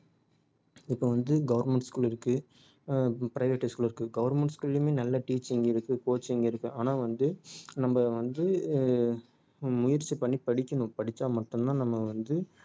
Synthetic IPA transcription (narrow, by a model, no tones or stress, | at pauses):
ɪpːoʋɐnd̪ɯɡɐʋɐɾmɛɳʈskuːlɪɾɯkːɯ | pɪɾɐɪʋeʈːɪskuːlɪɾɯkːɯɡɐʋɐɾmɛɳʈskulɪlmeːnɐlːɐʈiːt͡ʃːɪŋɡɐɪɾɯkːɯkoːt͡ʃːɪŋɡɐɪɾɯkːʊ̃ʔaːnaːʋɐnd̪ɯnɐmbɐʋɐnd̪ɯ | mʊjɪɾt͡ʃːipɐɳːipɐɽɪkʲːɐɳʊ̃pɐɽɪt͡ʃːaːmɐʈːɯmnãːnɐmːɐʋɐnd̪ɯ